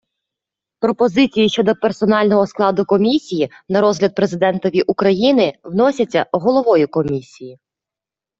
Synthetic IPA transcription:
pɾɔpɔzɪt͡sʲijiʃt͡ʃɔd̪ɔpersɔnɑlʲnɔɦɔsklˠɑd̪ʊkɔmʲisʲiji | nɐɾɔzɦlʲɐd̪̚pɾezɪd̪ɛnt̪ɔʋʲiʔukɾɐjinɪwnɔsʲɐt͡sʲːɐ̰ɦɔlˠɔʋɔjʊkɔmʲisʲiji

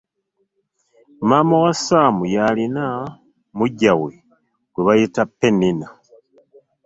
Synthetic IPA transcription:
mamawasaːmujalina | muɟawe | ɡweβajitapːenina

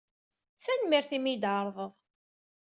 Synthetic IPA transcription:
θænmiɾθimijd̪ʕəɾˤðˤəðˤ

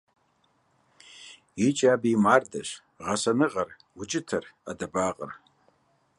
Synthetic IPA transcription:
it͡ʃʼabiimardaʃʷ | ʁasanɨʁar | ut͡ʃʼɪtʰara̰dabaqʼə̰r

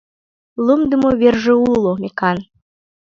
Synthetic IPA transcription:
lˠumd̪ɨmoβʲerʒeulˠomʲekɑn

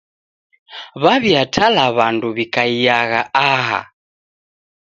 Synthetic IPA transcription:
βaβiatʰalaβanduβikaiaɣaʔaɦa̰

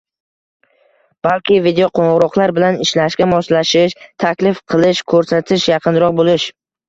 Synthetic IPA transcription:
b̥alkʲɪvid̪ejoqʰoɴʁʊɾɒqlˠaɾbɪlanɪʃlaʃkʲamɒʃlaʃɪʃt̪ʰakʲlɪfqʰɨlˠɪʃkʰɵɾsat̪ʰɪʃjɑqʰɨnɾɒq̚bolɪʃ

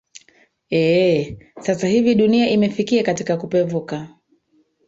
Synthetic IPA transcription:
ɛ | sasahiviɗuniaʔimɛfikiakatikakupɛvuka

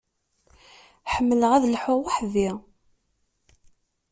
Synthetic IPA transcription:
ħəmːələʁæðlħʊwaħði

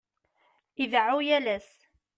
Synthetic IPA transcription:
iðʕujælæs

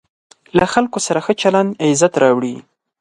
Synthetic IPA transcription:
laxalkosaɾaxət͡ʃaland̪ɪzat̪ɾɑwɽi

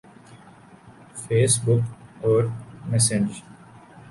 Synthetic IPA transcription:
feːsbʊkɔːɾmɛsẽd͡ʒ

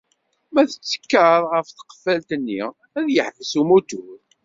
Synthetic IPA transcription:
mæθə̥t͡sːə̥kːəɾˤʁəfθə̥qə̥fælt̪ənːḭ | æðjəħvəsumut̪uɾ

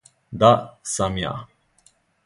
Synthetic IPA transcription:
d̪asamja̰

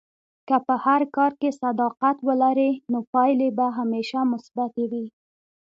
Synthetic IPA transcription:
kəpəhaɾkɑɾkesad̪ɑqat̪wəlaɾenopɑjlebaɦameʃamʊsbat̪ewi

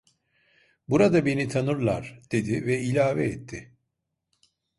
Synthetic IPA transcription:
buɾad̪abe̞nit̪ʰanɯɾlˠaɾd̪̥e̞d̪ivɛilʲaːvɛ̰ɛt̪ʰːɪ

